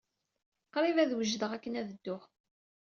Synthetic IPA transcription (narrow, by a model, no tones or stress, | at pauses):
qːɾˤivæðwəʒðəʁækːənæðəd̪ːʊχ